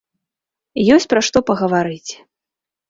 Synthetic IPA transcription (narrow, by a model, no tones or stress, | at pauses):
jɔsʲt͡sʲpɾɐʂt̪ɔpɐɣɐvaɾɨt͡sʲ